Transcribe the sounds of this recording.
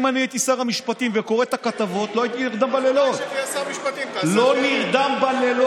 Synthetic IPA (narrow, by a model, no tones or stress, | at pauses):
maniet̪isaʁamiʃpat̪imveko̞ʁet̪akat̪avo̞t̪loajit̪iniʁd̪ambalelo̞t̪samʃat̪iloniʁd̪ambalel